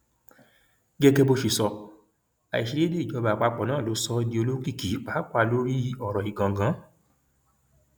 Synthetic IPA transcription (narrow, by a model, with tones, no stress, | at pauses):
ɡɛ˦ɡɛ˧bo˧ʃe˧sɔ˧ | a̰˨i˨ʃi˧le˦de˦i˨d͡ʒɔ˨˧˦ba˧˨˧k͡pa˧k͡pɔ˨nãː˦˨lo˨˦sɔ˧di˧o˧lo˦ki˦˨ki˨˦k͡pa˨˦k͡pʷa˦˨lo˦ɾi˦ɔ˨ɾɔ˨i˨ɡã˨ɡã˨˦